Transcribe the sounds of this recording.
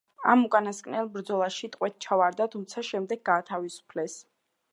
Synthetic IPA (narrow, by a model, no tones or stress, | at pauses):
amukʼanaskʼnɛlˠbɾd̪zɔlˠaʃit̪ʼqʼwɛt̪̚t͡ʃʰavaɾd̪at̪ʰumt̪sʰaʃɛmd̪ɛɡ̚ːaːt̪ʰavisu̥pʰlɛs